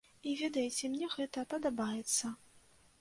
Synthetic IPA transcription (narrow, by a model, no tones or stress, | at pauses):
ivʲɛd̪ɐjt͡sʲɛmnʲɛɣɛt̪ɐpɐd̪abajɛt̪sːɐ